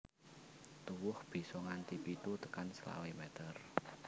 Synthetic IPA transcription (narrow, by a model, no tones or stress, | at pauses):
t̪uwʊhb̥i̤sɔŋant̪ipit̪ut̪əkansla̰wemɛt̪ər